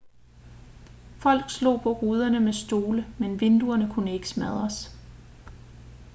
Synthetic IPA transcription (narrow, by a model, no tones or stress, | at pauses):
fɒ̽l̰ɡ̥slo̝̰ːpʰɒ̽ʁuːð̞ˠɐnəmesd̥o̝ːləmenʋe̝nd̥uɐnəkʰunəe̝ɡ̥ə̥smæð̞ˠɐs